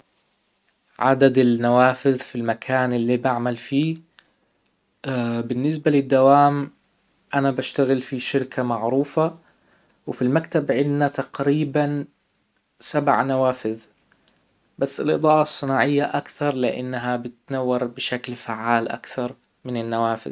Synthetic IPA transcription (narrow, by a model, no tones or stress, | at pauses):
ʕa̰d̪ad̪ɪlnawaːfɪðfilmakʰaːnʔɪlːibaʕmalfiː | bɪnːɪs̬balɪd̪ːawaːm | ʔanabaʃt̪aɣɪlfiʃɪɾkʰamaʕɾuːfa | wɪfilmakt̪abʕɪd̪nat̪ɑqɾiːban | sabʕnawaːfɪð | basːɪlʔɨ̰d̪ˤɑːʔɑsˤːɨnɑːʕɪjːaʔakθɑɾˤlɪʔɪ̰nːaɦabɪt̪nawːɑɾˤbɪʃaklfaʕːaːlʔa̰kθɑɾˤ | mɪnɪnːawaːfɪ̰ð